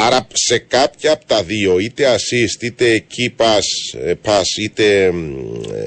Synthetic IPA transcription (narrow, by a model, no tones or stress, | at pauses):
ɐɾɐse̞kɐpçɐːpot̪ɐðio̞it̪e̞ɐsist̪it̪e̞ːcipɐspɐsit̪e̞